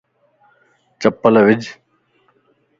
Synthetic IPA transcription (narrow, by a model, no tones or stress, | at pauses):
t͡ʃəpələʋɪd͡ʒʱ